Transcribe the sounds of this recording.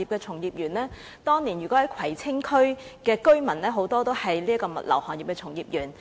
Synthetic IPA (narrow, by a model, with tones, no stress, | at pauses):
iː˨p̚kɛː˧t͡sʰʊ˨˩ŋjiː˨˧p̚jyː˨˩nlɛː˥ | t̪ɔː˥ŋni˨˩njyː˨kɔ˨˥hɐ˨˦jkʰɐ˨˩jt͡sʰɪ˥ŋkʰɵ˥ɥkɛː˧kɵ˥ɥmɐ˨˩nlɛː˥ɦo˨˧˥wt̪ɔː˥t̪o˥whɐ˨jliː˥kɔː˧mɐ̰˨t̚lɐ̰˨˩whɔː˨njiː˨pkɛː˧t͡sʰʊ˨˩ŋjiː˨˧p̚jyː˨˩n